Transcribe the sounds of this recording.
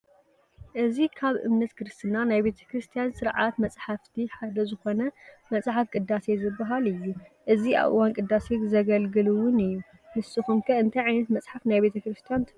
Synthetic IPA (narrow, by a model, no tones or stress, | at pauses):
ʔɨzikʰaβʔɨ̰mnɐt̪kʰɨɾɨst̪ʰɨnanajbe̞t̪ʰɐ̥kʰɾɨst̪ʰijansɨɾʕat̪mɐt͡sʼħaft̪ʰiħad̪ɐzɨxo̞nɐmɐsʼaħafkʼɨd̪ːase̞zɨbːɐɦalɨjːuʔɨzia̰βʔɨ̰wankʼɨd̪ːase̞zɐɡɐlɡɨluwʊnɨjːu | mɨsɨxumkʰɐɨnt̪ʰajʕajnɐt̪mɐt͡sʼħafnajbe̞t̪ʰɐkɾɨst̪ʰijant̪ʰ